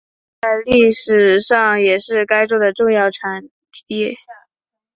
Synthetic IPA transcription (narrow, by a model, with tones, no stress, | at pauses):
t͡sa˥˧ɪli˥˩ʂɻ̩˨˩ʂɑ˥˩ŋjɛ˨˩ʂɻ̩˥˩ka˥ɪʈ͡ʂɔ˥d̪ə˨ʈ͡ʂʊ˥˧ŋjɑ˥˩ʊʈ͡ʂʰa˧˥n | t̪ʰi˥